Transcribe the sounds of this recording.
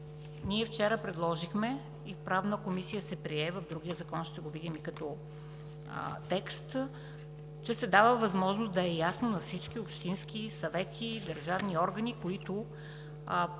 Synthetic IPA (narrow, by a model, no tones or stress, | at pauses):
niɛft͡ʃɛɾəpɾɛd̪lˠɔʒixmɛ | ifpɾavnəkomisijəsɛpɾiɛvɐvd̪ɾuɡʲijəzɐkɔnʃt̪ɛɡovid̪imikɐt̪ɔ̰ | t̪ɛkst̪ | t͡ʃɛsɛd̪avəvɐzmɔʒnosd̪ɐɛjasnonɐfsit͡ʃkiopʃt̪inskisɐvɛt̪ʰid̪əɾʒavniɔɾɡənikoit̪ʊ